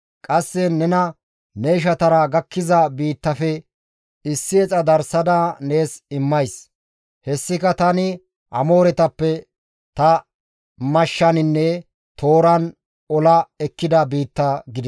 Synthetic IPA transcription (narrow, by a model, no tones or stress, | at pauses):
kʼɐsːɛnɛnɐ | nɛɪʃ̬ɐt̪ɐɾɐɡɐkːɪzɐbiːt̪ːɐfɛ | ɪsːɪɛt͡sʼɐd̪ɐɾsɐd̪aːne̞ːsɪmːɐjs | hɛsːɪkɐt̪ɐnɪ | ʔɐ̰mo̞ːɾɛt̪ɐpːɛ | t̪ɐ | mɐʃːɐnɪnːɛ | t̪ʰo̞ːɾɐn | ɔlɐɛkːɪd̪ɐbiːt̪ːɐɡɪd̪